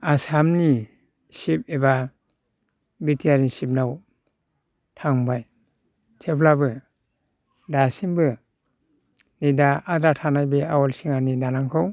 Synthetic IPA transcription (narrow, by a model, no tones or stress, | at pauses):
asamni | sip̚eba | bitʰiaɾisip̚naw | tʰaŋbaj | tʰeplabɯ | dasiŋbɯ | nidaadatʰanajbeawɔlsiŋanidanaŋkʰɯw